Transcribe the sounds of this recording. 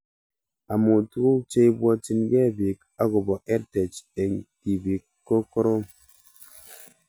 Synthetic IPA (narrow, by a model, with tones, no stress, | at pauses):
a˨mu˨tu˦ɣu˦t͡ʃe˦i˦bwɔ˦t͡ʃi˨nɡɛ˦˨bi˨k̚ | a˦ɡo˨bɔ˨ʔɛ˦ɾtɛ˨t͡ʃe˨ŋti˨bi˨kːo˦ko˦ɾo˦